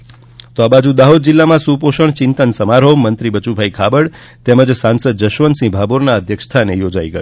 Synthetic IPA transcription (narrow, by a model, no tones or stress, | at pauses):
t̪oabad͡ʒũd̪aɦod̪̚d͡ʒilːamãsupoʃəɳt͡ʃɪnt̪ənsəmaɾɦomənt̪ɾibət͡ʃubʱaikʰabəɽ | t̪ɛməd͡ʒsãnsəd̪̚d͡ʒəʃʋənsĩbʱaboɾnaəd̪ʱjəkʂt̪ʰanejod͡ʒaiɡə̰jo